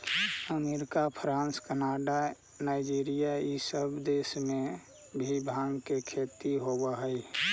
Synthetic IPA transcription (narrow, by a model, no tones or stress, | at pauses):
əmeɾɪkapʰɾãːnskənaɖa | naːɪd͡ʒiːɾijaisəbd̪eːsmẽ | bʱibʱãŋɡkekʰet̪iɦobaɦəj